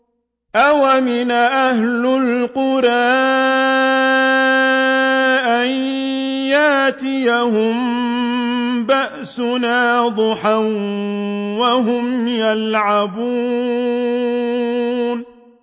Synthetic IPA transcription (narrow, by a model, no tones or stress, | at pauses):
ʔawamɪnʔahlʊlqʊɾˤaː | ʔanjaːt̪ɪjaɦʊm | baʔsʊnaːd̪ˤʊħan | waɦʊmjalʕabuː | n